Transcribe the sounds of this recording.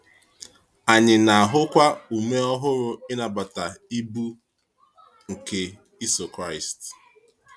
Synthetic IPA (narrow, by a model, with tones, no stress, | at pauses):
a˨ɲɪ˨na˨a˨ɦʊ˦kʷa˦u˨me˦ɔ˦ɦʊ˦ɾʊ˨ɪ˦na˨ba˨ta˨i˦bu˦ | ŋ̩˨ke˨ | i˦so˨kɾa˦˨ɪ˨st